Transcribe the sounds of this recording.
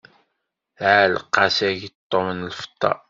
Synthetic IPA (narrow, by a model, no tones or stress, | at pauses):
ʕəlqːɑsæʝt̪ˤːomənlfə̥t̪ˤːɑ̰